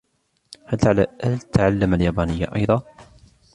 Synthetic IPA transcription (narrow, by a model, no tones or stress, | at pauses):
halt̪ʕlahalt̪aʕalːamaljaːbaːnɪjːa̰ʔɑ̰jðˤɑ